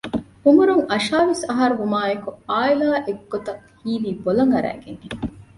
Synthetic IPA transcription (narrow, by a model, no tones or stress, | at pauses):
umuɾuŋɐʃaːʋesɐɦɐɾuʋumaːekuaːilaːʔeɡːot̪ɐŋ | hiːliːbolɐŋɐɾæ̰ːɡeŋe